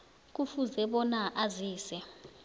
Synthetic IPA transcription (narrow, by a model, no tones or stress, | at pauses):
k̬ʼufuzɛɓɔnaʔaziːsɛ